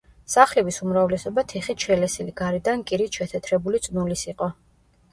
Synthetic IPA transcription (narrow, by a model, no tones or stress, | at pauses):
saχlɛbisumɾavlɛsɔbat̪ʰɛχitʃʰɛlɛsiliɡaɾid̪ankʼiɾit̪ʃɛt̪ʰɛt̪ʰɾɛbulit̪sʼnulisiqʼɔ